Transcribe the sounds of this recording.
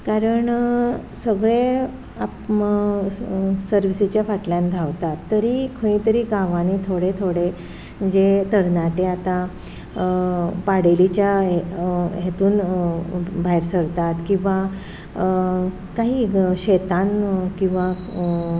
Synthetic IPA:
kaɾəɳsəɡɭe | ap | səɾʋisit͡ɕjafaʈljãnd̪ʱaʋt̪at̪ːəɾikʰəĩt̪əɾiːɡãʋanit̪ʰoɽet̪ʰoɽe | d͡ʑet̪əɾnaʈeat̪a | paɽelit͡ɕjaeɦet̪uːn | bʱajɾsəɽt̪at̪kĩw̃ʋa | kaɦiːɕet̪ankĩw̃ʋa

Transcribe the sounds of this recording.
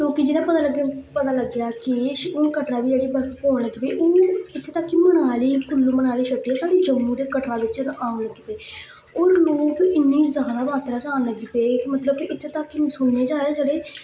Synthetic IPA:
toːkid͡ʒɪnãːpət̪aːləɡepət̪aːləɡjaːkɪʃoːkəʈɾaːbiːd͡ʒeɽiːbəɾkpɔːɽəɡːpeːʔoːɪt̪ʰːeːt̪əkːimənaːliːkʊlːumənaːliːʃəʈːiːɛːsaːdiːd͡ʒəmːũːd̪eːkəʈɾaːdɪt͡ʃɾʔaːnləɡiːpeː | oːɾloːkɪnːiːzəɦãd̪aːbaːt̪ɾaːt͡ʃaːnləɡiːpeːkmət̪ləbkiɪt̪ʰːeːt̪akːisʊɳːeːd͡ʒaːed͡ʒəɽeː

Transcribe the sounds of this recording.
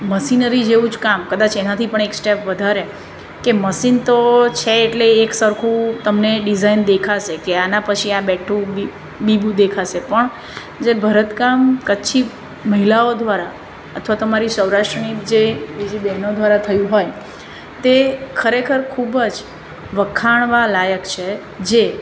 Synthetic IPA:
məsinəɾid͡ʒeʋũd͡ʒkamkəd̪at͡ʃʰenat̪ʰipəɳeksʈepʰʋəd̪ʱaɾe | keməsint̪ot͡ʃʰeːʈleːksəɾkʰũt̪əmneɖizaind̪ekʰaʃekeanãpət͡ʃʰiabɛʈʰũi | bibũd̪ekʰaʃepəɳ | d͡ʒebʱəɾət̪kamkəːʃʰi | məɦilaod̪ʋaɾa | ə̰t̪ʰʋat̪omaɾisəwɾaʃʈɾənid͡ʒebid͡ʒibɛɦnod̪ʋaɾat̪ʰəjũɦoj | t̪ekʰəɾekʰəɾkʰubəd͡ʒ | ʋəkʰːaɳ̃ʋalajəkt͡ʃʰe | d͡ʒe

